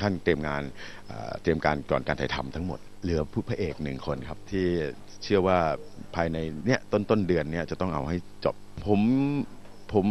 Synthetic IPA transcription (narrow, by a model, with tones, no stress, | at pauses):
kʰa˥˩nt̪ɾi˧əmŋaː˧n | ʔa̰ː˨˩t̪ɾi˧əmkaː˧nkɔ̰ː˨˩nkaː˧nt̪ʰa˨˩t̪ʰa˧mt̪ʰa˦˥ŋmo̰˨˩t̪̚lɯ˩˦ɐpʰu˥˩pʰa˦˧˩ʔeː˨˩k̚nɯ˨˩ŋkʰo˧nkʰa˦˥p̚t̪ʰiː˥˩ | t͡ɕʰɯ˥˩əwaː˥˩pʰaː˧jna˧jni˦˥ɐʔt̪o˥˩nt̪o˥˩ndɯ˧ənːi˦˥ɐʔt͡ɕa˨˩t̪ɔ˥˩ŋʔa̰˧wɦa˥˩jt͡ɕɔ̰˨˩p̚pʰo˩˦m | pʰo˩˦m